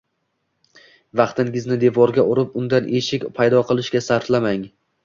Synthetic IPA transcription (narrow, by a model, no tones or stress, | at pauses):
vɑqt̪ʰɪŋɪznɪd̪e̞vɒɾɡʲaʔʊɾɪp̚ʊnd̪anʔe̞ʃɪkʲpʰajd̪ɒqʰɨlˠɪʃkʲasaɾflamaŋ